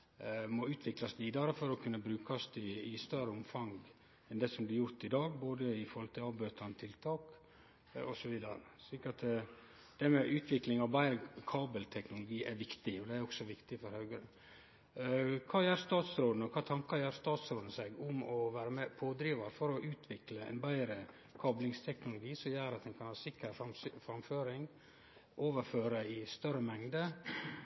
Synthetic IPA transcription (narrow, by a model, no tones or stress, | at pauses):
mɔʉːt̪ʰʋɪklɑsʋiːd̪ɑɾəfɔɾɔkʰʉnːəbɾʉːkɑst̪ɪɪst̪œɾəʊmfɑŋɡ | ɛnd̪ɛsɔmblɪjʊɾt̪ɪd̪ɑːɡboːd̪əɪfɔɾhɔlt̪ɪlɑbøːt̪ʰɑnət̪ʰɪlt̪ʰɑːk | ɔsɔʋiːd̪ɑɾə̰sɭiːkɾɑt̪ | d̪̥ɛmɛʔʉːt̪ʰʋɪklɪŋɑʋbæɪkʰɑːbəlt̪ʰɛknʊlʊɡiːʔɛɾʋɪkt̪ɪɔd̪ɛæɾɔksɔʋɪkt̪ɪfɔɾhœʉɡəɾə | kʰɑːjæːɾst̪ɑːt̪sɾoːd̪ənɔkʰɑːt̪ʰɑŋkɑɾjœːɾst̪ɑːt̪sɾoːd̪nəsɛɡʊmɔʋæːɾəmɛpʰoːd̪ɾiːʋɑɾfɔɾɔʔʉːt̪ʰʋɪkləɛ̰nbæɪɾə | kʰɑːblɪŋst̪ʰɛknʊlʊɡiːsɔmjæːɾɑt̪̚d̪ɛnkʰɑnhɑːsɪkəɾɑfɾɑmføːɾɪŋ | ʔoːʋəɾføːɾəɪst̪œɾəmɛŋd̪ə